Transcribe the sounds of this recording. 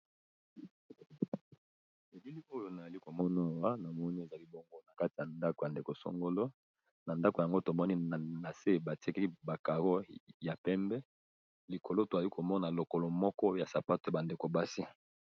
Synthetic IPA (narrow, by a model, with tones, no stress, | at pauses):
e˨bi˦li˦o˦jo˨na˨a˨li˦ko˨mɔ˦na˦˨wa˦na˨mɔ˦ni˦e˨za˨li˦bo˦ŋɡo˦na˨ka˦ti˨ja˨nda˦ko˨ja˨nde˨ko˨so̰˦ŋɡo˦lo˦ | na˨nda˦ko˨ja˨ŋɡo˦to˨mɔ˦ni˦˨na˨se˦ba˨ti˦kɛ˦ki˦ba˨ka˨ɣo˦ja˨pɛ˦mbɛ˦ | li˨ko˨lo˦˨to˨a˨li˦kʰo˨mɔ˦na˨lo˨ko˨lo˨mɔ˦kɔ˦ja˨sa˨pa˦to˨a˨ba˨nde˨ko˨ba˦si˦